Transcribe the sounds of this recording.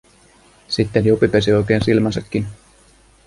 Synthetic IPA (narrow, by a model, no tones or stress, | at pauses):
sit̪ːenjupːipesio̞jk̟e̞ːnsilmænsɑkːin